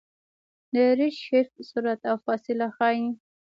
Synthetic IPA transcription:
d̪əɾɪʃʃɪɾfsuɾat̪awfɑsɪlaxɑj

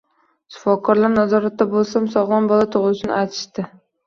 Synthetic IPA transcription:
ʃʊ̥fɒkʰɒɾlaɾnazɒɾat̪ːabolˠsamsɒʁlˠɒnbɒlat̪ʰʊʁzʊʃɪnɪ̰ajt̪ʰɪ̥ʃt̪ɪ

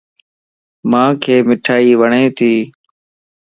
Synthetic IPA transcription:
mãːkʰeːmɪʈʰaːiːʋəɳeːt̪ʰiː

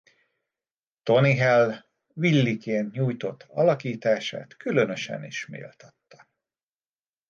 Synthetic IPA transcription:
t̪o̞niɦɛl | ʋilːikeːnt̪ɲuːjt̪o̞t̪ːɒlɒkiːt̪aːʃa̰ːt̪kylø̞nø̞ʃɛ̰nḭʃmḭːlt̪ɒt̪ːɒ̥

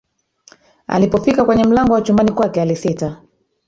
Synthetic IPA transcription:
a̰lipɔfikakwɛɲɛm̩laŋɡɔwat͡ʃumbanikwakɛalisita

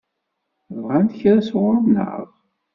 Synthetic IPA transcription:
vʁænt̪çɾæswɾˤnə̰ʁ

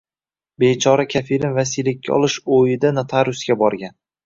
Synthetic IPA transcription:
bet͡ʃʰɒɾakʲʰafiɾɪnvasilːɪkʲːa̰ɒ̰lˠɪʃojɪd̪anat̪ʰaɾʊsɡʲabɒɾɡʲan

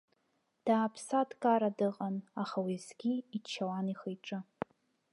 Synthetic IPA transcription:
d̥aːpʰsadkʼaɾadɨqʼanaχawizɡʲiːt͡ʃʰawaniχejʈ͡ʂʼɨ

